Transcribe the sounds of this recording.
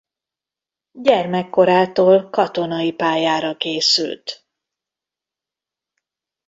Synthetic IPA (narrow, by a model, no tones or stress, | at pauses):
ɟɛrmɛkːo̞ɾaːt̪oːlkɒt̪o̞nɒipaːjaːɾɒkeːsy̰lt̪